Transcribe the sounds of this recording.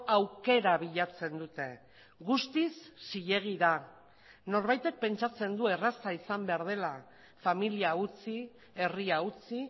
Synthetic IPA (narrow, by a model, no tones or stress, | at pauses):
awke̞ɾaβiʎat͡se̞nd̪ut̪e̞ | ɣust̪isːiʎe̞ɣ̞iða | no̞ɾβajt̪e̞k̚pe̞nt͡ʃat͡se̞nd̪ue̞rasaisambe̞aɾð̞e̞la | familiaut͡si | e̞riaut͡si